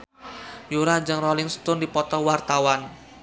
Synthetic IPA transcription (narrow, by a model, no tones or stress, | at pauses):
juɾad͡ʒəŋrɔlɪŋst̪ʊndipɔt̪ɔwart̪awan